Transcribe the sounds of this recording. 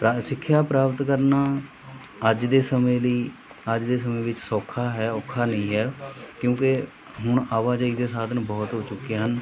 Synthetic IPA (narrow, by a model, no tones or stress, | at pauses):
pɾasɪkʰːjaːpɾaːpt̪kəɾnaː | əd͡ʒd̪eːsəmẽːləiː | əd͡ʒd̪eːs̬əmẽːʋɪt͡ʃsɔːkʰːaːɦɛːɔːkʰːaːnəĩːɦɛːkjõːke | ɦʊɳaːʋaːd͡ʒaːiːd̪eːsaːd̪nũːbɔːt̪ɦoːt͡ʃʊkːeːɦən